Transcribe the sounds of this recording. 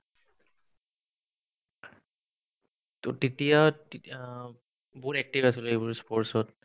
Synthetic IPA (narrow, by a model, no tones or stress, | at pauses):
ttitija | buɹɛk̚tivasilejbuɹspɔɹsɔt